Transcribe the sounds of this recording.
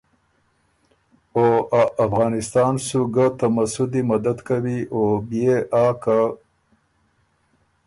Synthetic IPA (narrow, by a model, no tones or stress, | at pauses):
oaafɣɑːnɪst̪ɑːnsuɡat̪amasud̪imad̪ad̪kawiʔobijeʔaːka